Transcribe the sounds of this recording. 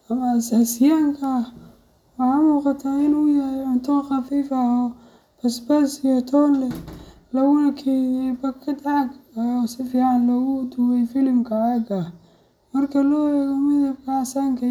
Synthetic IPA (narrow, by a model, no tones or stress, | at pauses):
ɐmɐːsaːsɪjaːŋkʰɐ | wɑħamuːqɑt̪ʰaːɪnujɐɾɛʕʊnt̪ʰɐxɑfiːfɐɔː | pʰɐsbɐsijɔt̪ʰɔːnlɛ | lɐɣʊnɐkʰɛjɛbɐkʰːɐd̪aʕɡɔsɪfiːʕɑnlɔːɣʊd̪ʊwɛjfɪlɪmkʰɐɐɡɐ | mɐrkʰɐlɔːɛɣɐmɪðɐkʰaʕsaːŋkʰɐ